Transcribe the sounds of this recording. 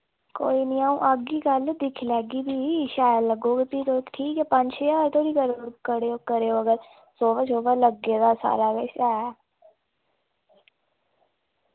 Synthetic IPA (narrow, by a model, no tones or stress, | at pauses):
koːiːnĩːãːũːʔəɡiːɡəld̪ɪkʰlɛːɡiːbiːʃaːjələɡoːɡeːpiːt̪oːɪkʈʰiːkɛːpəɲd͡ʒʃjaːɾt̪ʰoːɾiːkəɾuːɾkəɾeːoːkəɾeːoːəɡəɾ | soːʋət͡ʃoːʋələɡeːd̪aːsa̰ːɾaːɡesɛː